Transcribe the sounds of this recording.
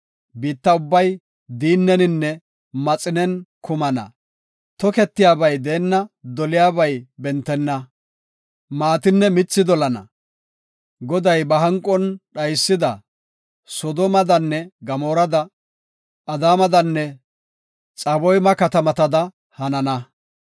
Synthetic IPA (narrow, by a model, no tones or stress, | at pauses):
biːt̪ːɐʊbːɐj | d̪iːnːɛnɪnːɛ | mɐt͡sʼɪnɛnkʊmɐnɐ̰ | t̪ɔkɛt̪ːɪjaːbɐjd̪eːnːɐd̪ɔlɪjaːbɐjbɛnt̪ːɛnːɐ | maːt̪ɪnːɛmɪt͡sːɪd̪ɔlɐnɐ̰ | ɡɔd̪ɐjbɐɦɐŋkʼːɔnɗɐjsːɪd̪ɐ | sɔd̪ɔmɐd̪ɐnːɛɡɐmoːɾɐd̪ɐ | ʔɐd̪aːmɐd̪ɐnːɛ | t͡sʼɐbɔjmɐkɐt̪ɐmɐt̪ɐd̪ɐ | hɐnɐnɐ